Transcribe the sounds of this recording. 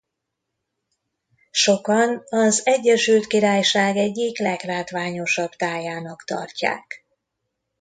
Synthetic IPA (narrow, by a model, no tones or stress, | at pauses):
ʃo̞kɒnɒzɛɟːɛʃylt̪kiɾaːjʃaːɡɛɟːiklɛɡlaːt̪ʋaːɲo̞ʃɒbt̪aːjaːnɒkt̪ɒ̰rca̰ːk